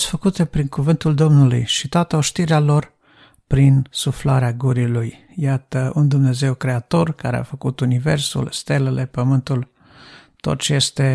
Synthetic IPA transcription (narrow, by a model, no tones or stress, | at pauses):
sfəkut̪e̞pɾiŋkuvɨnt̪uld̪o̞mnulṵjʃit̪oat̪əo̞ʃt̪iɾealo̞r | pɾinsuflaɾeaɡuɾiluj | jat̪əund̪umne̞ze̞wkɾe̞at̪o̞rkaɾea̰fəkut̪unive̞rsṵlst̪e̞lele̞pəmɨnt̪ul | t̪o̞̰t̪̚t͡ʃeje̞st̪e̞